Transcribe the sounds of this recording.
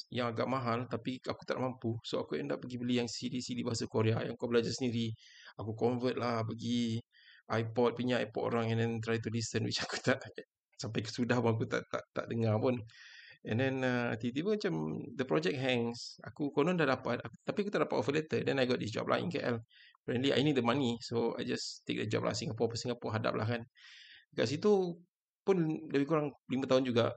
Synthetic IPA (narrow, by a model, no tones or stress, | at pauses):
jaŋaɡa̰ʔmaɦalt̪apiaku̥t̪a̰ʔmampusoakuɛ̰ndaʔpəɡibəlijaŋsidisidibaɦasakoɾeaja̰ŋkabəlad͡ʒasəndiɾiakukɔɱvət̪̚lahpəɡi | ajpɔt̪̚puɲaa̰jpɔt̪̚ʔo̰ɾaŋɛ̃ndɛnt̪ɾajt̪ulisənwḭt͡ʃaku̥t̪aʔ | sampajkəsudahpʊŋak̬ut̪a̰ʔt̪a̰ʔt̪a̰ʔdəŋapunɛ̃ndɛnə̰t̪it̪̬ipumat͡ʃamdəpɾɔd͡ʒɛk̚ɦɛŋsa̰kukonɔ̃ndahdapat̪akuapiakut̪aʔdapat̪̚ɔvəlɛt̪ədɛ̃najɡɔt̚dis̬d͡ʒɔ̰p̚lʔa̰jʔḭŋkeʔɛ̰l | pɾɛnliʔa̰jnit̚dəmanisoa̰jd͡ʒast̪ḛk̚dəd͡ʒɔ̰p̚lʔa̰siŋapɔpəsiŋɡapɔʔɦada̰p̚la̰hkanka̰ʔs̬it̪u | pʊndəbikuɾaŋlimãt̪aʊnd͡ʒuɡa